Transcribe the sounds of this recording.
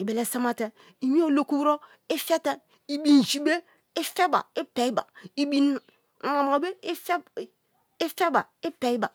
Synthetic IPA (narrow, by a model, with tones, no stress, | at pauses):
i˨be˨le˨sa˦ma˦te˨ | i˨mi˦o˦˨lo˦ku˦wɾo˦ | i˦fɛ˦tɛ˦ | i˦bi˦n˨ʃi˦be˦ | i˦fe˦ba̰˨i˦pɛ˨i˦ba˨i˦bi˦n˨ | a˨m˨a˨be˦f | i˦fe˦ba˨i˦pe˨˦i˦ba˨